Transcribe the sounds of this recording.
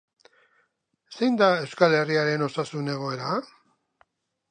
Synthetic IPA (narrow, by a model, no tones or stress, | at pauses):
se̞jnd̪ae̞wskale̞riaɾe̞no̞sasune̞ɣ̞o̞e̞ɾa